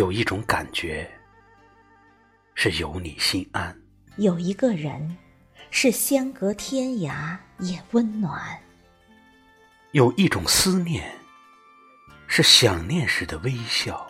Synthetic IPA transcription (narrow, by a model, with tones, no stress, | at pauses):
jo˨˩ʊi˥˩ʈ͡ʂʊ˧˥ŋka˨˩nt͡ɕɥɛ˧˥ | ʂɻ̩˥˩jo˧˥ʊni˨˩ɕi˥ŋa˥n | jo˨˩ʊi˧˥ɡə˧ɻə̰˧˥n | ʂɻ̩˥˩ɕjɛ˥ŋkɤ˧˥t̪ʰjɛ˥nja˧˥jɛ˨˩wə˥nnwa˨˩˦n | jo˨˩ʊʔi˥˩ʈ͡ʂʊ˨˩ŋsɹ̩˥njɛ˥˩n | ʂɻ̩˥˩ɕjɑ˨˩ŋnjɛ˥˧nʂɻ̩˧˥d̪ə˧we˥ɪɕjɑ˥˩ʊ